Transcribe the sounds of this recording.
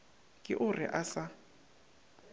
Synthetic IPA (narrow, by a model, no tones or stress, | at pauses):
kʼɪʔʊrɪ̰ʔasa